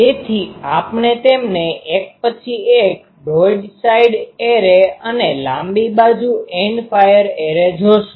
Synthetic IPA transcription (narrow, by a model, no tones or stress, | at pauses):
t̪et̪ʰiapnet̪emneʔek̚pət͡ʃʰiek̚ | boɖsaiɖeɾeənelãmbibad͡ʒueɳɖfajəɾeɾed͡ʒʱoʃũ̥